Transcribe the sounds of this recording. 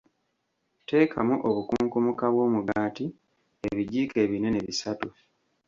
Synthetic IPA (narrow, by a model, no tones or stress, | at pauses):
te̞ːkʰa̰muʔoβukuːŋkumukaβwo̞ːmuɡaːti | eβiɟiːke̞ːβine̞neβisatu